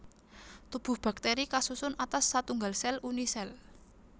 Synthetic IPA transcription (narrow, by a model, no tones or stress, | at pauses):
t̪ub̥ʊ̤hb̥a̤k̚t̪eɾikasusʊnat̪asːat̪uŋɡalsɛlunisɛl